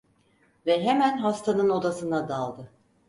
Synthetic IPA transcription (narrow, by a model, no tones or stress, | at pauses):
vɛɦemænɦast̪ʰanɯno̞d̪asɯnad̪alˠd̪ɯ